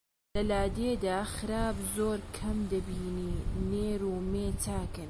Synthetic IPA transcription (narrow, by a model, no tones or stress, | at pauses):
lɐlaːd̪eːd̪aːxɨɾaːbzoːɾkʰɐmd̪ɐbiːniːneːɾuːmeːt͡sʰaːkɨn